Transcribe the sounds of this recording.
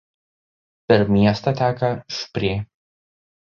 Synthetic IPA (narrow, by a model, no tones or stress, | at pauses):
pʲɛɾmʲiɛst̪ɐt̪ʲæːkɐʃpʲɾʲeː